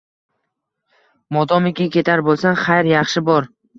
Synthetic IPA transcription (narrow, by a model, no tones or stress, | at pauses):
mɒd̪ɒmɪkʲɪkʲʰe̞t̪ʰaɾbolˠsanχajɾjɑχʃɪbɒɾ